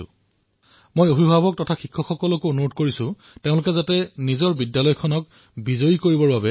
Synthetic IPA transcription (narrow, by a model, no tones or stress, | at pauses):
ʊ̰ | mojoɦibʱabɔk̚tɔtʰaxikʰːɔxɔkɔlɔkoonuɹodkoɹisʊ̃ | tẽʊ̃lʊkɛzatɛnizɔɹbidjalɔjkʰɔnɔk | bizojikoɹibɔɹbabɛ